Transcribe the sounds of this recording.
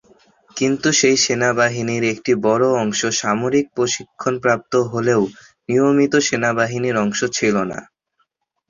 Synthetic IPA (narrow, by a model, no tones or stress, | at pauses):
kint̪uʃejʃenabaɦiniɾekʈibɔɾoɔŋʃoʃamoɾik̚pɾoʃikʰːonpɾap̚t̪oɦoleo | nijomit̪oʃenabaɦiniɾɔŋʃot͡ɕʰilona̰